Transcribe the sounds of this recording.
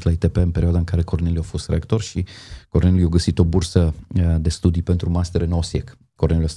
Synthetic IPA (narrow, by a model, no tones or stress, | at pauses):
t̪lait̪epeɨnpe̞ɾioad̪aɨŋkaɾe̞ko̞rne̞liawfo̞st̪ɾeakt̪o̞rʃiko̞rnelʲjulujawɡəsit̪o̞bursəd̪e̞st̪ud̪ipe̞nt̪ɾumast̪eɾɨnosjek | kːo̞rnelulast̪